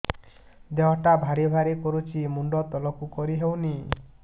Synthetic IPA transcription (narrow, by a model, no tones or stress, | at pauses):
d̪eɦɔʈabʱaɽibʱaɾikɔɾut͡ʃʰimuɳɖɔt̪ɔlɔkukɔɾiɦewni